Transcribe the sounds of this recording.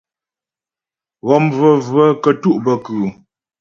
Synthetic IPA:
ɣɔ˦˨mvə˦və˦kə˦˨tu˦˨ʔbə˨kʉː˨

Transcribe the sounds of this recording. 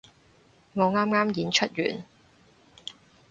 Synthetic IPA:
ŋɔː˨˧ŋaː˥mŋaː˥mjiː˨˥nt͡ʃʰɵ˥t̚jy̰ː˨˩n

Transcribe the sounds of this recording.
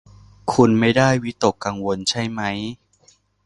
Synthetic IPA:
kʰu˧nma˥˩jdaː˥˩jwi˦˥t̪o˨˩kːa˧ŋwo˧nt͡ɕʰa˥˩jma˦˥j

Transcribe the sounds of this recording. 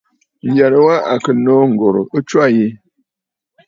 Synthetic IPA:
n̩˨ja˨ɾə˦wa˦a˨kə˨no˦ŋ̩˨ɡo˨ɾo̰˨ə˦t͡ʃwa˦˨ji˦

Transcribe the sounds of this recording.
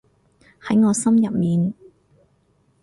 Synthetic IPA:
hɐ˨˥jŋɔː˨˧sɐ˥mjɐ˨p̚miː˨n

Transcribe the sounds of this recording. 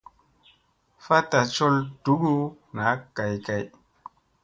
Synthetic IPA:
fa˦ta˨t͡ʃɔ˦ld̥u˦ɡu˦ | na˨˦ka˨jka˨j

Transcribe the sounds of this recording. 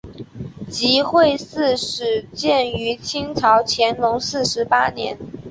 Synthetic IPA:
t͡ɕi˧˥xwe˥˧ɪsɹ̩˥˩ʂɻ̩˨˩t͡ɕjɛ˥˩ny˧˥t͡ɕʰi˥ŋt͡sʰɑ˧˥ʊt͡ɕʰjɛ˧˥nlʊ˧˥ŋsɹ̩˥˩ʂɻ̩˧˥pa˥njɛ̰˧˥n

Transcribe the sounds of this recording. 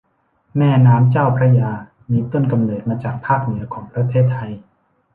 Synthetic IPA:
mɛː˥˩naː˦˥mt͡ɕaː˥˩wpʰɾa˧jaː˧ | miː˧t̪o˥˩nka˧mnɤː˨˩t̪̚maː˧t͡ɕaː˨˩k̚pʰaː˥˩k̚nɯ˩˦ɐkʰɔː˩˦ŋpɾa˧t̪ʰeː˥˩t̪ʰːa˧j

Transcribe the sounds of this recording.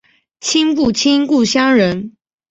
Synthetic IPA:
t͡ɕʰi˥˦ŋp̬u˥˨t͡ɕʰi˥ŋku˥˨ɕjɑ˥ŋɻə˨˦n

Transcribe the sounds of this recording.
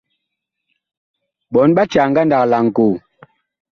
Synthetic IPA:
ɓɔ˨˦nɓa˦t͡ʃa˨ŋ˦ɡa˦nda˨kla˨ŋ̩˨ko˨

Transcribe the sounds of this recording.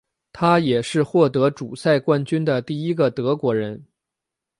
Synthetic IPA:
t̪ʰa˥jɛ˨˩ʂɻ̩˥˧xwɔ˥˩t̪ɤ˧˥ʈ͡ʂu˨˩sa˥˧ɪkwa˥˧nt͡ɕy˥nd̪ə˨t̪i˥˩i˥ɡə˨t̪ɤ˧˥kwɔ˧˥ɻə˧˥n

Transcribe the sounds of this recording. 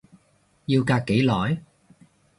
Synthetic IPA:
jiː˧wkaː˧k̚kːe˨˥jlɔː˨˥j

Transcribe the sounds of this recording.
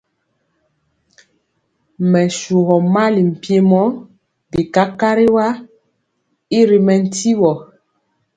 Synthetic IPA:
mɛ˨su˨ɣɔ˨ma˦li˨m̩˨pje˦mɔ˦ | di˨ka˦ka˦ɾi˦wa˦ | i˦ɾi˨mɛ˨n̩˦ti˦wɔ˨

